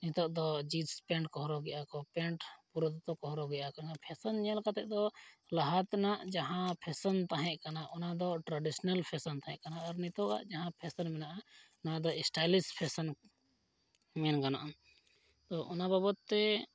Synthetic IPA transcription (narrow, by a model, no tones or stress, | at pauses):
nit̪ɔʔd̪ɔd͡ʒit̪spɛ̃ɳʈkɔɦɾɔɡɛʔakɔpɛ̃ɳʈpuɾɔt̪t̪ɔkɔɦɾɔɡɛʔakɔnapʰɛsənɲalkat̪ɛʔd̪ɔlaɦat̪naʔd͡ʒaɦãpʰɛsɔnt̪aɦɛ̃ʔkanaʔɔnad̪ɔʈɾaɖisnalpʰɛsɔnt̪aɦɛ̃ʔkanaːɾnit̪ɔʔa̰ʔd͡ʒaɦãpʰɛsənmɛnaʔa | nad̪ɔɛsʈajlispʰɛsɔn | mɛnɡana̰ʔam | t̪ɔʔunababɔt̪ːɛ